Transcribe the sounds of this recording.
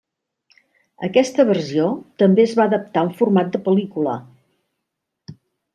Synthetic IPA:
ə̰kɛst̪əβ̞ərsiot̪əmbeəzβaəðəp̚t̪auɱfurmat̪̚d̪əpəlikulə

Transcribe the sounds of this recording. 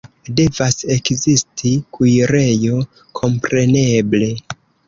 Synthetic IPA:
de̞vase̞kzistʰikujɾe̞jo̞ | kʰo̞mpɾe̞neble̞

